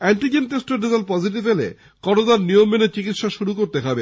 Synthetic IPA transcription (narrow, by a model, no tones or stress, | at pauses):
ɛɳʈid͡ʑenʈesʈoɾɖizelpɔd͡ʑiʈ̬ifelḛ | kɔʈod̪aɾnijomːenet͡ɕikit̪ʃaʃuɾukoɾt̪eɦɔbe